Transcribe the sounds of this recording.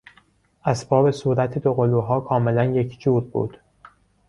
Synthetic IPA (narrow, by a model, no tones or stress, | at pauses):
ʔæsbɒːbe̞suːɾæt̪ʰed̪oɣoluːɦɒːkʰɒːme̞lænje̞cʰd͡ʒuːɾbṵːd̪̥